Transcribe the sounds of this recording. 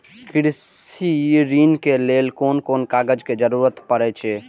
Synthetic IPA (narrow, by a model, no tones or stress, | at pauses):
pʰiɽiɾiːnkelelkoːnkoːnkaɡəd͡ʒked͡ʒəɾuɾət̪pəɾɛt͡ʃʰɛ